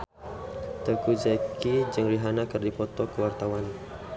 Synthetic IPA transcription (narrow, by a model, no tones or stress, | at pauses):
t̪ərkud͡ʒakid͡ʒɨŋriɦanakərdipɔt̪ɔkəwart̪awan